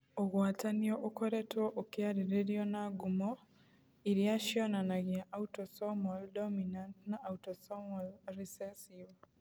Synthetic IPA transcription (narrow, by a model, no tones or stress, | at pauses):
oɣwaːtanioʔokoɾetɔʔokjaɾeɾeɾjonaɡumo | iɾjaʃjɔnanaɣjaʔautosɔmoldɔminantnaʔːutosomolɾisɛsiv